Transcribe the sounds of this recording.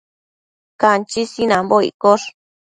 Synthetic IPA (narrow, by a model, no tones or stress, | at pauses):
kant͡ʃisinãmboḭkoʂ